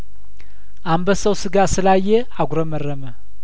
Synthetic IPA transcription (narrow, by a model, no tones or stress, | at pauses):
ʔambəsəwsɨɡasɨlajːe | aɡʷɾəmərːəmə